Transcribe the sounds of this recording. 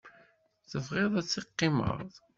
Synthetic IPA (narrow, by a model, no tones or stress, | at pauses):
θəvʁɪðˤæt͡sːiqːɪmə̰ðˤ